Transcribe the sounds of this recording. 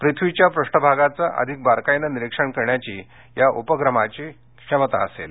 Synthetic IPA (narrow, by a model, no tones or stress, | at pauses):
pɾit̪ʰʋit͡ɕjapɾuʂʈəbʱaɡat͡saʔə̰d̪ʱik̚baɾkajnəniɾikʂəɳkəɾɳjat͡ɕiː | jaʔupəɡɾəmat͡ɕiː | ʂəmət̪aəsḛl